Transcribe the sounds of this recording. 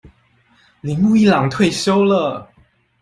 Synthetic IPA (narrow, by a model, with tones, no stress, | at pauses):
li˧˥ŋlu˥˧i˥˩lɑ˨˩˦ŋt̪ʰwe˥˩ɪɕjo˥ʊlə˨